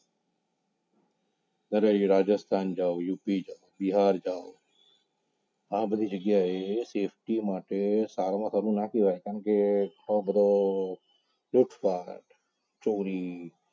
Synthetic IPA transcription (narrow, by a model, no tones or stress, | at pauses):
nəɾəiːɾaːd͡ʒəst̪ʰaːnd͡ʒaːojuːpiːd͡ʒaːobɪɦaːɾd͡ʒaːo | ãːbəd̪ʱiːd͡ʒəɡjaːɦeːseːpʰʈiːmãːʈesaːɾamãːsəɾũːnaːkiːʋaːekənkeoːbəd̪oː | lʊʈʰpaːʈ | t͡ʃoːɾiː